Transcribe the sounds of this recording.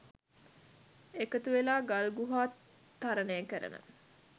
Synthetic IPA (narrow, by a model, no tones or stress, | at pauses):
ekət̪uʋelaːɡalɡuɦaːt̪ː | aɾənejəkəɾə̰nə̰